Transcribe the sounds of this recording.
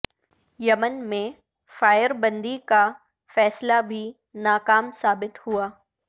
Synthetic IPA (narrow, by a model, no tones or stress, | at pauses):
jɐmənmẽ | faːɪəɾbɐ̃nd̪ika | fɛːslabʱi | naːkaːmsaːbɪt̪huaː